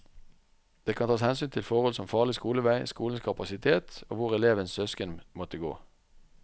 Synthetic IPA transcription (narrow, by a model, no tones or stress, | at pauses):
d̪̥eːkʰɑnt̪ʰɑːshɛnsyːnt̪ʰɪlfɔʁhɔlsɔmfɑːʁlɪskuːləʋæɪskuːln̩skʰɑpɑsɪt̪ʰeːt̪o̰ːʋʊʁɛleːʋənssœskənmɔt̪əɡo̰ː